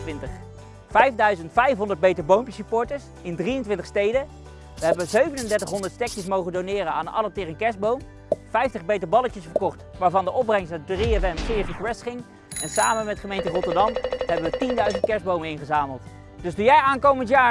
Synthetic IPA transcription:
ɪntəχ | fɛjvdœɥzəntfɛjfɦɔndəɹd̚bejtəɹbowmpjəsypʊːɹtəɹs | ɪndrijəntʋɪntəχstejdə | ʋəɦɛbəʋəzøɥvənəndɛɹtəχɦɔndəɹtstɛktəsmowχəndownɪːrəa̰ːnənʔɑ̰dɑp̚tɪːrənkɛɹsbowm | fɛjftəχbejtəɹbɑlət͡ʃəsfəɹkɔχtʋaːɹvɑndəʔɔbrɛŋsədətyriɛvɛmsɪːɹəkɹɛstχɪŋ | ɛnsaːmənmɛtχəmejntərɔtəɹdɑmɦɛbəʋətindœɥzənt̚kɛɹzbowmənɪnχəzaːməlˠt | d̥ɵsdunjɛjaːnkowməntjaː

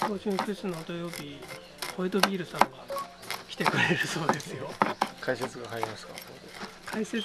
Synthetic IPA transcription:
koːɕɨ̃ɰ̃kɯsɨnot̪ojo̞ːbʲi | ho̞id̪o̞bʲiːɾɯ̟sãŋɡa | kʲi̥t̪e̞kɯ̟ɾe̞ɾɯ̟so̞ːd̪e̞sɨjo̞kʰaise̞t͡sɨɡaɦaɾʲimasɨ̥ka̰o | kʰaise̞

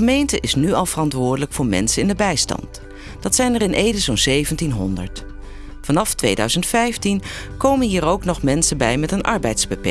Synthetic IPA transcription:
əmejntəʔɪsnyɑlˠv̥ərɑntʋʊːɹdələkfʊːɹmɛ̰nsənɪndəbɛjstɑ̰nt | d̥ɑtsɛjnərɪnʔejdəzownzejvəntinɦɔndə̰ɹt | fɑnɑftʋejdœ̰ɥzəntfɛjftinkowmənɦiːɾowknɔχmɛnsəbɛjmɛtənʔɑ̰ɹbɛjtsbəpɛ̰

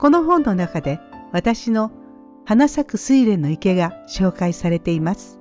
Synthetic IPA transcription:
ko̞no̞ɦõ̞nːo̞nakad̪e̞βat̪aɕino̞ | hanasakɯ̟sɨiɾẽ̞nːo̞ike̞ɡaɕo̞ːkaisaɾe̞t̪e̞imasɨ̥

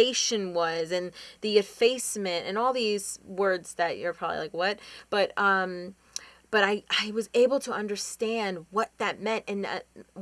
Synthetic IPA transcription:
eɪʃɨ̃nwʌzɨ̃nðiɨfeɪsmɨ̃ntɨ̰̃nɔlˠðiz̥wɜ˞dz̥ðɨt͡ʃə˞pʰɹ̥ɑblḭlaɪkwʌt̚b̥ʌt̚ʌ̃m | b̥ʌɾaɪʔaɪwʌzeɪbl̩ˠtʰəʌ̃ndə˞stæ̃nd̚wʌt̪̚ðɨt̚mɛ̃ntɨ̃nðɨ̰t̚

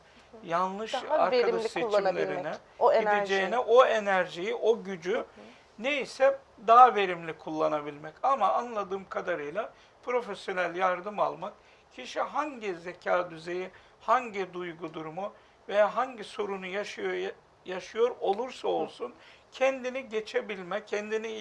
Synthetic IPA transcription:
janˠlˠɯʃa̰ɾkad̪asemlʲeɾinɛ | ided͡ʒejinɛʔoe̞næɾʒijiʔoɟyd͡ʒy | nejisɛ | d̪aɦave̞ɾimlʲikʰulˠːanabilʲmɛcamaːnlˠad̪ɯːmkʰad̪aɾɯjlˠa | pʰɾo̞fesjo̞nælʲjaɾd̪ɯma̰lˠmak̚ | cʰiʃiɦaɲɟize̞cʰaːd̪yze̞ji | haɲɟid̪ujɡud̪uɾumu | vejaɦaɲɟiso̞ɾunujaʃj | jaʃɯjo̞ɾo̞lˠuɾsao̞lˠsuncʰɛnd̪iniɟe̞t͡ʃʰe̞bilʲmɛcʰɛnd̪ini

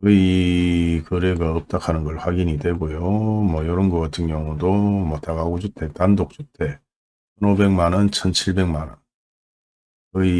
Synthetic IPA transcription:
kɯi | kɯɾe̞ɡaʌp̚t͈akʰanɯnɡʌɭɸwaɡinidwe̞ɡojomwʌjʌɾʌnɡʌɡatʰɯnɡjʌŋudomwʌtaɡaɡod͡ʑutʰe̞tandok̚t͡ɕ͈utʰe̞ | t͡ɕʰʌnobe̞ŋmanɯnt͡ɕʰʌnt͡ɕʰiɭbe̞ŋman | kʌi

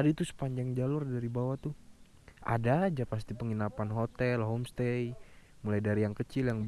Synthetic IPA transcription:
t̪aɾit̪usə̥paɲd͡ʒaŋd͡ʒalʊrdaɾibawat̪ʊ | ʔa̰daːd͡ʒapas̬t̪ipəŋinapanɦot̪ɛlɦomst̪ɛjmulajdaɾijaŋkət͡ʃɪljaŋb

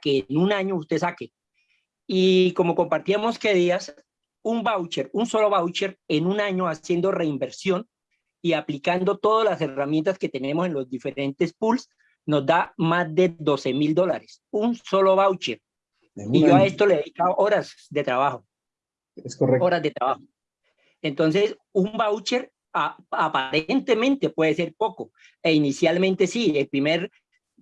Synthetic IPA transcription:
ke̞ːnunaɲo̞ust̪e̞sake | iko̞mo̞ko̞mpaɾt̪iamo̞skeðias | umbawt͡ʃe̞ɾunso̞lo̞βawt͡ʃe̞ɾe̞nunaɲo̞asje̞nd̪o̞re̞imbe̞ɾsjo̞n | iaplikand̪o̞t̪o̞ð̞olase̞ramje̞nt̪aske̞t̪e̞ne̞mo̞se̞nlo̞zd̪ife̞ɾe̞nt̪e̞spuls | no̞zd̪amazd̪e̞d̪o̞se̞mild̪o̞laɾes | unso̞lo̞βawt͡ʃeɾ | iʝoae̞st̪o̞leðeðikaoʔoɾasd̪e̞t̪ɾaβaxo | soɾazd̪e̞t̪ɾaβaho | ent̪o̞ns̬e̞s | umbawt͡ʃe̞ɾ | aapaɾent̪e̞mẽ̞nt̪e̞pwe̞ðes̬e̞ɾpo̞ko | einisjalmẽnt̪e̞sielpɾimeɾ

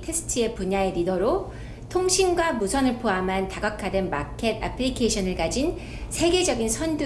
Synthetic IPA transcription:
tʰe̞sʰɯ̥tʰɯe̞puɲae̞didʌɾo | tʰoŋɕʰimɡwamusʰʌnɯɭpʰoamɦantaɡakʰadɯnmakʰe̞da̰pʰɭikʰeɕʰʌnɯɭkad͡ʑin | sʰe̞ɡe̞d͡ʑʌɡinsʰʌndu

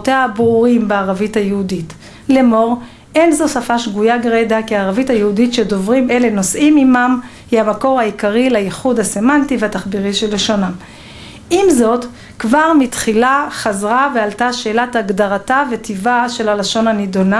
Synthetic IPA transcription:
teaːbʁuʁimbeaʁavithajeudit | le̞mo̞ʁ | e̞nzo̞tsafaʃɡujaɡʁedakiaːʁavithajehuditʃe̞do̞vʁime̞le̞no̞sʔimimam | hihamako̞ʁhaikaʁilaiχudase̞mantiveataχbiʁiʃeleʃo̞nam | imzo̞t | kvaʁmitχilaχazʁavealtaʃe̞ːlataɡdaʁatavetivaʃe̞lalaʃo̞nanidona

